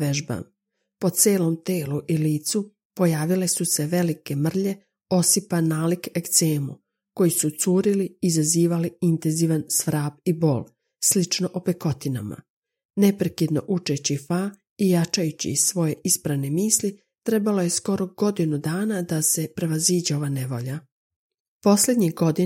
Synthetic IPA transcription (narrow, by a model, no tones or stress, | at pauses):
ʋeʒba̰m | po̞t̪se̞ːlo̞mt̪e̞ːluʔiliːt̪su | po̞jaːʋile̞suse̞ʋe̞like̞mr̩ʎe̞ | o̞sipanaːlikekt̪seːmṵ | ko̞jisut̪suːɾiliːzaziːʋaliint̪e̞nziːʋansʋɾaːbibo̞̰ːlˠ | slit͡ʃno̞ʔopeko̞t̪ina̰ma̰ | ne̞pɾekid̪no̞̰ʔut͡ʃe̞t͡ɕifa | ijat͡ʃajut͡ɕḭsʋo̞je̞ispɾaʋne̞miːsli | t̪ɾe̞balo̞je̞sko̞ɾo̞ɡ̥o̞d̪inud̪aːnad̪ase̞pɾe̞ʋaziːd͡ʑeo̞ʋaneʋo̞̰ʎa | po̞sle̞d̪ɲiɡo̞d̪i